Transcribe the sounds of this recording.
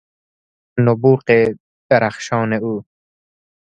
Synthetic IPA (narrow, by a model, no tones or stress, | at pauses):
nobuːqe | d̪̥aɾaχʃɑːneuː